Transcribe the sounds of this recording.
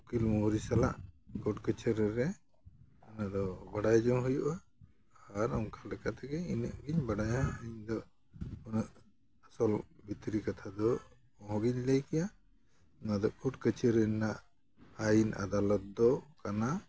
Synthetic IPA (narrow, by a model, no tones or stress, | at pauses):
ukilmuɾisala̰ʔkɔʈkət͡ʃʰəɾɛɾɛ | anad̪ɔbaɽajd͡ʒɔmɦujuʔaː | ɾɔmkʰalɛkat̪ɛɡɛinəʔɡiɲbaɽajɦɛəɲd̪ɔʔ | ɔnəʔ | asɔlbit̪ɾikat̪ʰad̪ɔ | ɔɦɔ̃ɡiɲləjkɛja | nad̪ɔʔkuʈkət͡ʃəɾɛnaʔ | ajina̰d̪alɔt̪̚d̪ɔkana